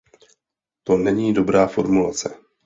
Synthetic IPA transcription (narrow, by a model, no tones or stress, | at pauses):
t̪o̞nɛɲiːdo̞bɾaːfo̞ɾmulat͡sɛ